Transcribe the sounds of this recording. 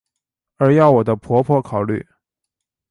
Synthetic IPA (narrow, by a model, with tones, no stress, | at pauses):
ə˞˧˥jɑ˥˩ʊwɔ˨˩d̪ə˦pʰwɔ˧˥pʰɔ˥˧kʰɑ˨˩ʊly̰˥˩